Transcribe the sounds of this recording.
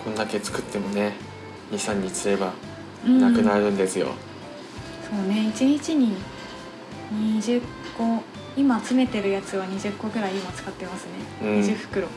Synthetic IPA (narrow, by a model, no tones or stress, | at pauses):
kʰõ̞nd̪ake̞t͡sɨ̥kɯ̟t̪ːe̞mo̞ne̞ | ɲʲisãɲ̟ːit͡sɨe̞ba | ɯ̃nakɯ̟naɾɯ̟̃nd̪e̞sɨjo̞̰ | so̞ːne̞it͡ɕiɲ̟it͡ɕiɲ̟i | ɲ̟iʑɨkːo̞ | imaːt͡sɨme̞t̪e̞ɾɯ̟jat͡sɨβ̞aɲ̟iʑɨkːo̞ɡɯ̟ɾaiimat͡sɨ̥kat̪ːe̞masɨne̞ɯɲ̃id͡ʑɨɸɯ̟̥kɯ̟ɾo̞